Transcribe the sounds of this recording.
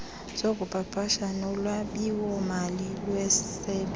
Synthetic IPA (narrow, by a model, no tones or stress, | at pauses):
z̥ok̬ʼupʼapʰʼaʃanɔlwaɓiwɔmalilwɛsɛɓ